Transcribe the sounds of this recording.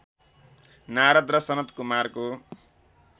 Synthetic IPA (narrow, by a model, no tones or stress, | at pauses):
naɾʌd̪rʌsʌnʌt̪kumarko